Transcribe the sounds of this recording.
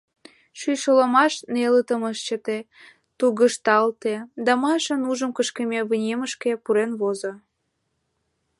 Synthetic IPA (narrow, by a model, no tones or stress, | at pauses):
ʃyjʃolomɑʃnelət̪əməʃt͡ɕət̪e | t̪uɣəʃt̪ɑlt̪ed̪ɑmɤjʃə̆nuʒə̆mkəʃkemʲeβənʲeməʃkepuɾenβozo